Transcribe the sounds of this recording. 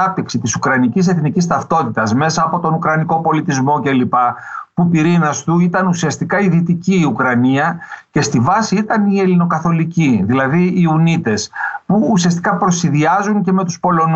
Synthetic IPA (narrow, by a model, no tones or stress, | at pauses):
ɐp̚t̪iksit̪isukɾɐnicis̬e̞θnicist̪ɐft̪o̞t̪it̪ɐsme̞sɐːpo̞t̪o̞nukɾɐniko̞po̞lit̪izmo̞ce̞lipɐpupiɾinɐst̪uit̪ɐnusiɐst̪ikɐiðit̪iciːukɾɐniɐce̞st̪ivɐsiit̪ɐnie̞lino̞kɐθo̞liciðilɐðiːunit̪e̞spuːsiɐst̪i̥kɐpɾo̞siðiɐzuŋce̞me̞t̪uspo̞lo̞n